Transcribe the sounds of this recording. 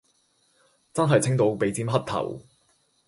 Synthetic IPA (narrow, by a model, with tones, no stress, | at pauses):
t͡sɐ˥nɦɐ˨jt͡sʰɪ˥ŋt̪o˨˧wpe˨˧˥jt͡siː˥mɦɐ˥t̚t̪ʰɐ̰˨˩w